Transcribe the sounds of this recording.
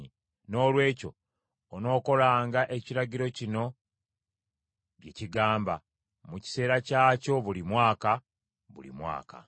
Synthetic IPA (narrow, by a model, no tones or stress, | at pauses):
i | no̞ːlwe̞ːco̞ː | no̞ːko̞laːŋɡaʔe̞ciɾaɟiɾo̞cino̞ | βjeciɡaːmba | muci̥se̞ːɾacaːco̞βulimwaːka | βṵlḭmwa̰ːka̰